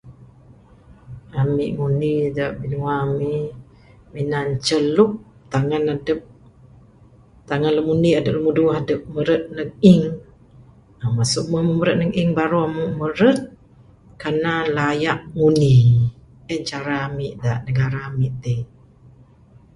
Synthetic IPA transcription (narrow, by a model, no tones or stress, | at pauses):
amḭʔŋunidaʔbinuamiʔ | minant͡ʃəlup̚ | t̪aŋanadəp̚ | t̪aŋanləmuniadəp̚ləmuduɦadəp̚məɾət̪̚nəŋiŋ | amasuʔməməməɾət̪̚nəŋiŋbaɾuamuʔməɾət̪̚ | kanalajaʔŋuni | ət͡ʃaɾamiʔdaʔnəɡaɾamiʔt̪i